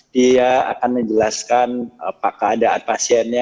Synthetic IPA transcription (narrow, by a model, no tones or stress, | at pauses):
d̥iaa̰kanməɲd͡ʒəlaskanəpaʔkəadaa̰n̚pasiɛnɲa